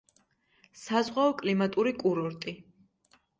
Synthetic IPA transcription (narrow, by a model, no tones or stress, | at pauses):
sazʁwaɔkʼlimat̪ʼuɾikʼuɾɔɾt̪ʼi